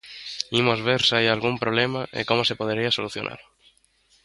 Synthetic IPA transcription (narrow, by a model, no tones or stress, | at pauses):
imozβeɾsajalɣumpɾolemaʔḛkomosepoð̞eɾiasoluθjo̰nʔa̰ɾ